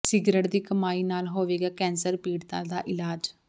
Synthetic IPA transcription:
sɪɡɾəɽd̪iːkəmaːiːnaːlɦoːʋeːɡaːkɛ̃ːnsəɾpiːɽt̪ã̰ːd̪aːʔɪlaːd͡ʒ

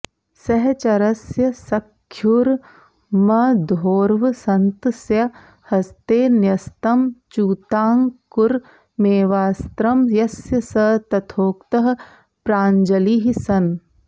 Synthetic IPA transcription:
sɐɦt͡ʃɐɾɐsjɐsɐkʰːjuɾ | mɐd̪ʱoːɾʋsɐnt̪sjɐ | hɐst̪eːnjɐst̪ɐmt͡ʃuːt̪aːŋkuɾ | meːʋaːst̪ɾɐmjɐsjɐsɐt̪ɐt̪ʰoːkt̪ɐɦɐ̆ | pɾaːɲd͡ʒɐliːɦisɐn

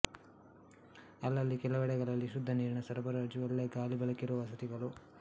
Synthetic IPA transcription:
ɐlːɐlːikɛlɐʋɛɽɛɡɐɭɐlːiʃud̪ʱːɐniːɾɳɐsɐɾɐbɐɾɐɐd͡ʒuɐlːeːɡaːlibɛɭɐkːiɾuʋɐsɐt̪iɡɐɭu

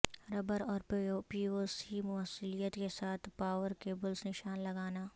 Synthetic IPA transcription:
ɾɐbəɾɔːɾpopiːosimʊəsɪlijət̪kesaːt̪ʰpaːʋəɾkeːbəlsnɪʃaːnlɐɡaːnaː

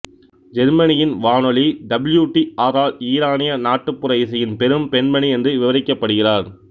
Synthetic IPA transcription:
d͡ʒɛɾmɐnɪjɪnʋaːnɔɭiɖɐbɪljuːʈːiaːɾaːliːɾaːnɪjɐnaːʈːɯpːɯɾɐɪsɐjɪnpɛɾɯmpɛnmɐniɛndrɯʋɪʋɐɾɪkːɐpːɐɽɯɣɪraːɾ

